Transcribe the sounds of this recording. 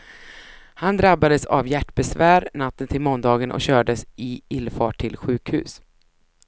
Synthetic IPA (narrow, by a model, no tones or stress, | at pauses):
hand̪ɾabːad̪əsa̰vjæʈːbɛsvæːɾnat̪ːənt̪ʰɪlmɔnd̪ɑːɡənʔɔ̰kɕœːɖəsɪɪlfɑːʈʰːɪlɧʉ̟ːkhʉ̟̰ːs